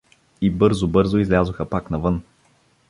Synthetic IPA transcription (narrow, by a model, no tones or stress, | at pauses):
ibɤɾzobɤɾzoizlʲazoxəpaknɐvɤn